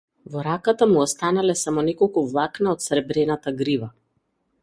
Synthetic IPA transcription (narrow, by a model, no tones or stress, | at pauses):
vɔɾakat̪amuɔst̪analɛsamɔnɛkɔlˠkuvlˠaknaɔt̪sɾɛbɾɛnat̪aɡɾiva